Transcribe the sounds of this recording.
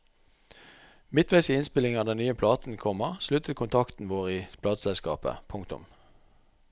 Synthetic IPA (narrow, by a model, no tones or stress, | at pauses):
mɪt̪ʰʋæɪsiːɪnspɪlɪŋɑd̪ɛnnyːəpʰlɑːt̪n̩kʰɔməʁslʉt̪ʰət̪kʰʊnt̪ʰɑkt̪n̩ʋoːʁiːpʰlɑːt̪sɛlskɑ̰ːpə̰pʰʊŋkt̪ʊ̰m